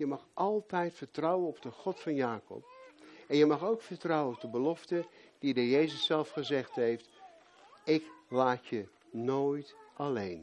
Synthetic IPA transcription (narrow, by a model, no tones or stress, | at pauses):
jəmɑχʔɑlˠtɛjtfəɹtrɔwənɔb̚dəχɔtfɑnjaːkɔ̰p̚ɛnjəmɑχowkfəɹtrɑwənɔp̚dəbəlɔftəd̥idəjejzəsːɛlˠfχəzɛχtɦejft | ɪklaːtə | noːjtʔɑlejn